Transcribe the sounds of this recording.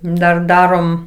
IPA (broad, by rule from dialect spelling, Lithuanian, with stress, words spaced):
dɐr ˈdɑːroːm